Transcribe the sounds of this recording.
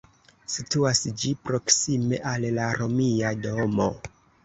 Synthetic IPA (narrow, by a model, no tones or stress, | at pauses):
situasd͡ʒipɾo̞ksimeʔallaɾo̞miadomo̞